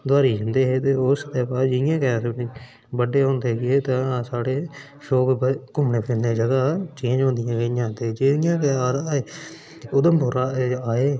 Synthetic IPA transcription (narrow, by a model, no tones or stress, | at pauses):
d̪aːɾiːd͡ʒənd̪eːɦeːt̪eːosd̪eːpaːd͡ʒɪɪjãːkɛaːsənĩː | bəɖeːɦõːnd̪eːɡɪɦeːt̪asaːɽeː | ʃoːkkʊmnẽːpʰɪnneːd͡ʒəɡaːt͡ʃẽːd͡ʒɦõːnd̪ɪjãːkejãːt̪ed͡ʒeɪjãːkɛaːɾ | ʊd̪əmpʊɾaaːeː